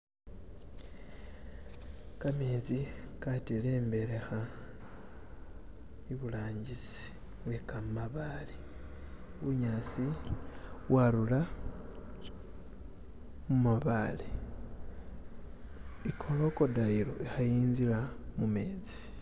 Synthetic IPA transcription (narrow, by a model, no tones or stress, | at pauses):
kame̞ːd͡zikatile̞ːmbe̞ɾe̞xa | iβulaːɲɟisi̥ | βwekamaβale | βuɲaːsi | waɾula | mumaβale | ikʰo̞lo̞ko̞dailo̞ixajiːnzilamume̞ːd͡zi̥